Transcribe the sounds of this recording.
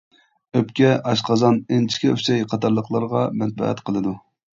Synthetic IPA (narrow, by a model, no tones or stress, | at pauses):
øpkʲɛʔɑʃqɑzɑnent͡ʃʰi̥kʲɛysɛjqʰɑt̪ʰɑɾlˠəqʰlˠɑɾʁɑmɛn̚bɛ̰ɛ̰t̪qʰəlˠɨd̪u